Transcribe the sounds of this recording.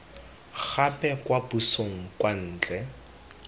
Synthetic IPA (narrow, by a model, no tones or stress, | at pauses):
k͡xapʼɛkwabusoŋ̩kwan̩ːt͡ɬʼɛ